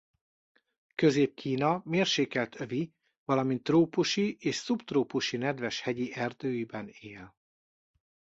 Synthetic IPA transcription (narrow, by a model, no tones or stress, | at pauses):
køzeːp̚kʰiːnɒmeːrʃeːkɛlt̪ʰøvi | vɒlɒmint̪ːroːpuʃiʔeːʃsubt̪roːpuʃinɛd̪vɛʃhɛɟiʔɛrd̪øːjibɛneːl